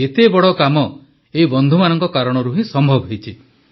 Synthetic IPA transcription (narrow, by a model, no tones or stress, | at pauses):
et̪ebɔɽɔkamɔ | eɦibɔnd̪ʱumanɔŋkɔkaɾɔɽ̃ɔɾuɦĩsɔmbʱɔbɔɦejt͡ʃʰi